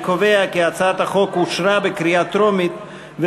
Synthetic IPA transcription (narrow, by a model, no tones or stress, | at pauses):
kove̞akiat͡sat̪haχo̞kuʃɾabekɾiat̪ɾomit̪ | ve